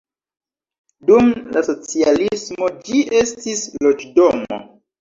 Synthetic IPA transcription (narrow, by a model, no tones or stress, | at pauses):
dumlaso̞t͡sialismo̞d͡ʒiʔestislod͡ʒdomo̰